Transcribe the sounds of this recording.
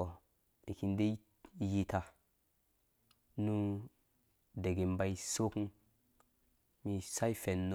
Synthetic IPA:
o˨ | e˨ki˧nde˦ | ji˨ta˨ | nu˦ | de˨ɡe˨mba˦i˦so˦ku˦ | mi˧sa˦jfe˨nː˦

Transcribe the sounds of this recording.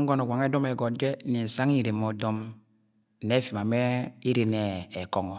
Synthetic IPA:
ŋ̩˦ɡo˦nɔ˨ɡʷa˨ŋe˦dɔ˦me˨ɡɔ˨dɛ˦ni˨sa˦ŋ˦i˦˨ɾe˨mo˨dɔ˦m˨ | ne˦fi˨ma˨mɛ˦i˦ɾe˨nɛː˨kɔ˨ŋɔ˨

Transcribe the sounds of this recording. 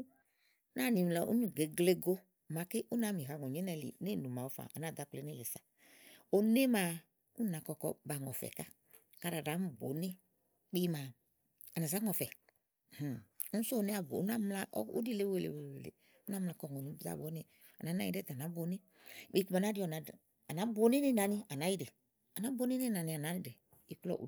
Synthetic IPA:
na˦˨ni˨la˨ʔṵ˦nu˦˨ɡe˨ɡle˦˧ɡo˦˨ | ma˨kɪ˦ʔu˦na˨˦mi˨ɦa˨ŋɔ˨ɲɛ˨˦nɛ˧˨lḭ˨ne˦˨nu˨ma˨o˦fa̰˨a̰˨na˨da˨˦k͡ple˨˦ne˦˨le˨sa˨ | o˨ne˦ma˨˧ | u˦na˨kɔ˧kɔ̰˧ba˨ŋɔ˨fɛ̰˨ka˦ | ka˧ɾa˨da˨˦m˦bo̰˨˦nɪ˦ | k͡pi˦˧ma˨ | a˨na˨za˨˦ŋɔ˨fɛ˨˦ | so˦˨ne˦a˨bo̰˨˦a˦m˦la˦ʔṵ˦di˦le˦we˨lḛ˨we˨e˨e˨lḛ˨ | u˦na˦mla˧˨kɔ˦˨ŋɔ˨ni˨˦bza̰˨bo˨˦ni˦ | a˨na˨˦na̰˦ḭ˦e˦ta˨na˨˦bo˨ni˦ | k͡pi˦ku˦ma˨na˦di˦ɔ˨na˨ | a˨na˨˦bo˨˦ni˦ni˦na˨ni˦a˨na˨˦ji˦de˨ | a˨na˨˦bo˦ni˦ni˦na˨ni˧˦a˨na˨˦ni˦dɛ˨ | i˨klɔ̰˦ʔ

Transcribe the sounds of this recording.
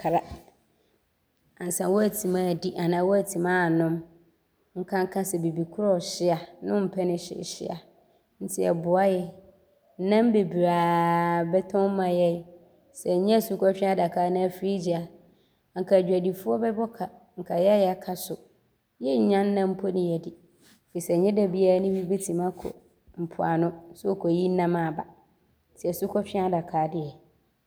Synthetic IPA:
kʰɾa˦ | ã˨n̩˨sã˨˦wɔ˦æ˨tʰĩ˨mã˨di˦ʔa˨nã˨˦wɔ˦æ˨tʰĩ˨mãː˦˨nʊ̃˦m | ŋ̩˦kʰã˦ŋ˦kʰã˦sɛ˨be˨bi˨kʰʊ˦ɾɔ˦˨ɕɪ˦a˨nʊ̃˦m̩˨pʰɛ˦nɪ̃˦ɕɪ̰˨ɕɪ̰˦a̰˨ | n̩˦tʰɪ˦ɛ̰˨bʊ˨a˦jɛ˨ | n̩˦nã˦m˦be˨bi˨ɾaː˨bɛ˦tʰɔ̃˦mã˨jɛ˦j | sɛ˨ɲɛ̃˦˨su˦kʰɔ˦fᶣɪ̃˦a˦da˨kʰaː˨˦nã˦æ˨fɾi˦d͡ʑi˨a˨ | ŋ̩˨kʰa˨d͡ʑᶣæ˨di˨fʊ˦ɔ˦bɛ˦bɔ˦kʰa˨ | ŋ̩˨kʰa˨jɛ˦a˦jɛ˨a˦kʰa˦sʊ˨ | jɛ˦ɲ̩˨˦ɲã˦nː˦ã˦m̩˦pʰo˦nɪ̃˨jɛ˨dɪ˨ | fi˨sɛ˨ɲɛ̃˦da˨bi˦a˦nʊ̃˦bi˦be˦tʰĩ˨mã˦kʰɔ̰˨ | m̩˨pʰʊ˨a̰˨nʊ̃˦sʊ˦ɔ˨kʰɔ˨ji˦n̩˦nã˦mã˨ba˨ | n̩˦tʰɪ˦ɛ˨su˦kʰɔ˦fᶣɪ̃˦a˦da˨kʰaː˨˦dɪ˦ɛ˨

